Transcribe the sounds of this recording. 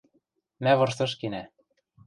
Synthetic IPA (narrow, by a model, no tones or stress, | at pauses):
mæβɤ̆rʃt̪ɤ̆ʃ̬kinæ